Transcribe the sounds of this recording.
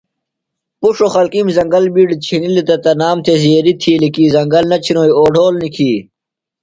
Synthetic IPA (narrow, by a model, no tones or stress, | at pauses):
puʂoxɐlkimzɐŋɡɐlbiːɖt͡ɕʰinilit̪ɐt̪ɐnaːmt̪ʰezeːɾit̪ʰiːlikiːzɐŋɡɐlnɐt͡ɕʰinoːjoːɖʱoːlnikʰiː